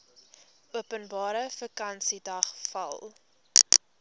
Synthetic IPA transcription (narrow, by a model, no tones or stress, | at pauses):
uəpənbɑːɾəfəkɐnsidɐχfɐ̰lˠ